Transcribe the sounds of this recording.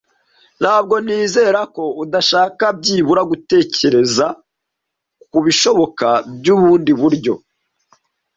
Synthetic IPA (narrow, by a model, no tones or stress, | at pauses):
n̥haːbɡo̞niːze̞ːɾako̞udaʃaːkab̚ɟiːβuɾaɡute̞ːce̞ɾe̞za | kuβiʃo̞βo̞kabɟuβuːndiβuɾɟo̞̰